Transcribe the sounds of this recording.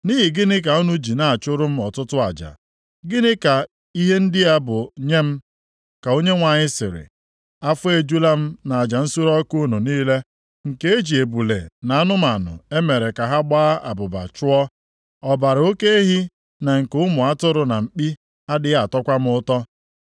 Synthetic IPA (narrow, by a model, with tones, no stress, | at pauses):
niː˦ɦɪ˨ɡɪ˦nɪ˦k̬a˨u˦nu˦d͡ʒi˨na˨a˨t͡ʃʊ˦ɾʊ˦m̩˦ɔ˨tʊ˦tʊ˦a̰˨d͡ʒa̰˨ | ɡɪ˦nɪ˦ka˨ | i˦ɦe˦n̩˦dɪ˦a˦bʊ˨ɲe˦m̩˦ | ka˨o˦ɲe˦ŋʷa˨ɲɪ˦sɪ̰˨ɾɪ̰˨ | a˦fʊ˦e˨d͡ʒu˦la˦m̩˦na˨a˨d͡ʒa˨n̩˦su˦ɾɔ˦ku˦nu˨niː˦le˦ | ŋ̩˨ke˦e˦d͡ʒi˨e˨bu˨lḛ˨na˨a˦nʊ˦m̩˦a˨nʊ̰˨e˦me˨ɾe˨ka˨ɦa˦ɡ͡baː˦ʔa̰˨bʊ˨ba̰˨t͡ʃʊ˦ɔ˦ | ɔ˨ba˨ɾo˦ke˦ɦi˦ | na˨ŋ̩˨ke˦ʊ˦mʊ˨a˦tʊ˦ɾʊ˨na˨m̩˨k͡pi˦ | a˦dɪ˨˦a˨tɔ˦kʷa˦m̩˦ʊ˦tɔ˦